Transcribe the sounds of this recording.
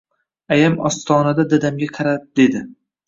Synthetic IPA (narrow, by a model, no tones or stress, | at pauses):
ajamɒ̰st̪ʰɒːnad̪ad̪ad̪amɡʲaqʰɑɾap̚d̪e̞d̪ɪ